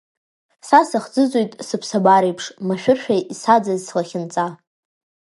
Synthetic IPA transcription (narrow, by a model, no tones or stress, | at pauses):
sasaχd͡zɨzʼojtʼsɨpʰsabaɾejpʰʂmaʃᶣʊrʃᶣaʔisad͡zazslaχʲɪnt͡sʼa